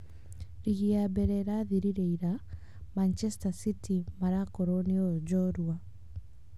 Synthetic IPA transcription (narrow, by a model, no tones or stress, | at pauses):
ɾiɣiabɛɾɛɾaðiɾiɾeiɾa | mant͡ʃɛsi̥tasitimaɾakɔɾoniɔd͡ʒɔɾwa